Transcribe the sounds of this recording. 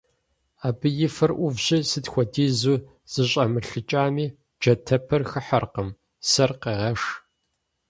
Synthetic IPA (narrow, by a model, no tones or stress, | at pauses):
aːbɨjɪfɐrʔʷʊvʑɪsɨtxʷɔdiːzuː | z̥ɨɕʼɐmɨɬɨt͡ʃʼaːmiː | d͡ʒɐtʰɐpʰɐrxɨħɐrqəm | sɐrqeːʁɐʂ